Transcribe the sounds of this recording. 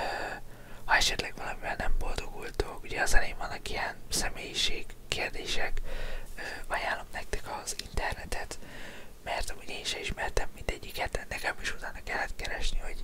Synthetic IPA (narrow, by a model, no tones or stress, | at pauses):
øː | hɒɛʃɛt̪lɛɡʋɒlɒmivɛlnɛmbo̞ld̪o̞ɡult̪okuɟɛɒzɛleːɱvɒnːɒkijɛnsɛmeːjiʃeːɡːeːrd̪eːʃɛkøːɒjaːlːo̞mnɛk̚t̪ɛkɒzint̪ɛrnɛt̪ɛt̪mɛrt̪ɒmuɟeːnʃɛiʃmɛrt̪ɛmːind̪ɛɟːikɛt̪ɛnnɛkɛmiʃut̪aːnɒkɛlːɛt̪kɛɾɛʃniho̞ɟ̥